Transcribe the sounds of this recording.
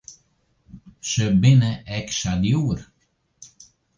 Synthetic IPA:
ʃəbɪnəɛkʃaljuːɾ

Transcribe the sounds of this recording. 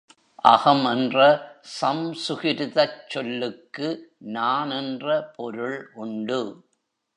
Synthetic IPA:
ʔɐɣɐmɛndrɐsɐmsʊɣɪɾðɐt͡ʃːɔlːɯkːɯnaːnɛndrɐpʰɔɾɯɭʔʊɳɖɯ

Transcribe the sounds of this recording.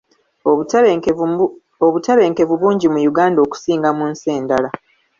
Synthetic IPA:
oβutaβe̞ːŋke̞vuβuːɲɟimujuɡaːndo̞ːku̥siːŋɡamunse̞ːndala

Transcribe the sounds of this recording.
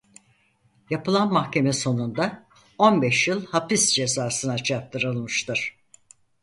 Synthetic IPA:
japɯlˠanmahcʲe̞mɛso̞nund̪a | o̞nbɛʃjɯlˠhapisd͡ʒe̞zaːsɯnat͡ʃʰap̚t̪ʰɯɾɯlˠmɯʃt̪ʰɯɾ̥

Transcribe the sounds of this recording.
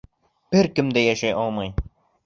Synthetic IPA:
b̥ɘɾkɘmd̪æjæʃæjʔɒlˠmɑj

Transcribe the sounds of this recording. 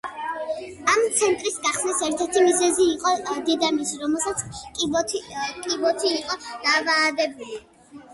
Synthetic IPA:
amt̪sʰɛnt̪ʼɾisɡaχsnisɛɾt̪ʰɛɾt̪ʰimizɛziːqʼɔd̪ɛd̪amisɾɔmɛlˠsat̪sʰkʼ | kʼibɔt̪ʰiːqʼɔd̪̥avaːdɛbuli

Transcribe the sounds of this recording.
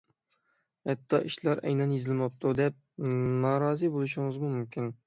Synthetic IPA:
hɛt̪ʰːɑʔiʃlæɾɛ̰jnɑnjezɪlmɑp̚t̪ʰud̪ɛp̚nɑɾɑːzɨbolˠuʃiŋɨzmumymkʲin

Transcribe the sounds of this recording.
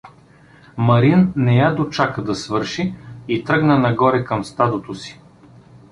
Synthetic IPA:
mɐɾinːɛjad̪ot͡ʃakəd̪ɐsvɤɾʃiit̪ɾɤɡnənɐɡɔɾɛkɐmst̪ad̪ot̪osi̥

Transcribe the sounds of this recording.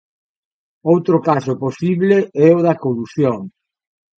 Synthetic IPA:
owt̪ɾʊkasʊposiβleɛʊðɐkolusjoŋ

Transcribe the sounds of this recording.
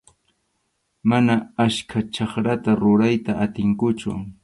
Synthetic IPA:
manaaskʰat͡ʃɑχɾat̪aɾʊɾajt̪aʔat̪ɪŋkʊt͡ʃʊ̰

